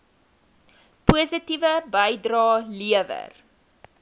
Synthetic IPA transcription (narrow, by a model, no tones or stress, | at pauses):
puəzətivəbəjdrɑːliəvə̰r